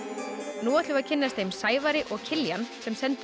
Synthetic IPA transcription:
nuːat̪lʏvaðcʰɪnːast̪eːjmsaːjvaɾɪʔɔɣcʰɪljansɛmsɛnt̪

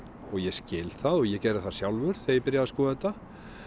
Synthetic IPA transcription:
ɔɣjɛscɪːlθaðɔɣjɛcɛːɾɪ̥θasjawlvʏɾð̥θejɪɾpɪɾjaðaskɔːɛt̪ːa

